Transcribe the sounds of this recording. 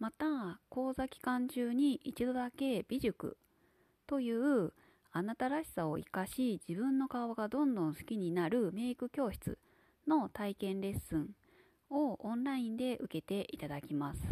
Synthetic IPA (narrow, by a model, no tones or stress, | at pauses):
mat̪ako̞ːzakʲi̥kãɲ̟t͡ɕɨːɲ̟iʔit͡ɕid̪o̞d̪ake̞b̥ʲiʑɨkɯ̰ | t̪o̞jɯ̟ːɯ̟ | anat̪aɾaɕi̥sao̞̰ḭkaɕid͡ʑibɯ̟̃nːo̞kaβaɡad̪õ̞nd̪õ̞ñsɨ̥kʲiɲ̟inaɾɯ̟me̞ːikɯ̟kʲo̞ːɕi̥t͡sɨ̰ | no̞t̪aikẽ̞nɾe̞sɨ̃ɴ | o̞õnɾaĩnd̪e̞ʔɯ̟ke̞t̪e̞ʔit̪ad̪akʲimasɨ̥